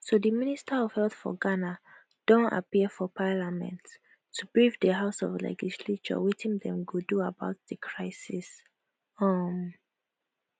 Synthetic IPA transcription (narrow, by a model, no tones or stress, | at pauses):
soðəministəɔv̥hɛlθfɔ̰ɡana | d̥õnta̰piəfɔpʰalamɛ̰̃ntʰː | ubɹivdəɦaʊsɔ̰vlɛ̰d͡ʒislet͡ʃɔ̰witʰĩŋdɛ̃mɡuduabaʊt̚ðəkʰɹaɪsis | ʌm